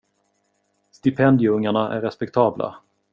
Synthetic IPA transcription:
st̪ɪpʰɛnd̪ɪjʊɵŋːaɳaʔæ̰ɾːɛspɛk̚t̪ʰɑːbla̰

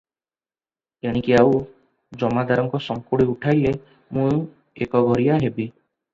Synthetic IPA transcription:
eɽ̃ikiau | d͡ʒɔmad̪aɾɔŋkɔsɔŋkuɽiuʈʰajle | mũ | ekɔɡʱɔɾijaɦebi

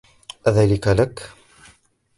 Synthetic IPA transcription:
ðælɪkalakː

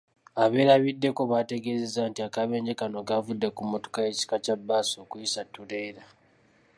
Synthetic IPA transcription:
aβe̞ːɾaβidːe̞ko̞βate̞ɡe̞ːze̞zaːntiakaβeːɲɟe̞kano̞ɡavudːe̞kumoto̥kajeci̥kacabːaːso̞ːkuisatːuɾe̞ːɾa

